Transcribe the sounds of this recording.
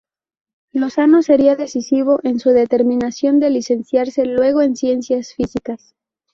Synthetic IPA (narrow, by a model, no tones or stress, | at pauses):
lo̞sano̞se̞ɾiaðe̞sisiβ̞o̞ʔe̞nsuðe̞t̪e̞ɾmĩnasjo̞nd̪e̞lise̞nsjaɾse̞lwe̞ɣ̞o̞e̞nsje̞nsjasfisikas